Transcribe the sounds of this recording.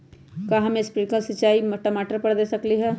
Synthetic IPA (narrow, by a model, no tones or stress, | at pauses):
kaːɦɐmẽspɾɪʈkəlsɪt͡ʃaːimɐʈomaːʈəɾpɐɽd̪eːsɐkliɦɛː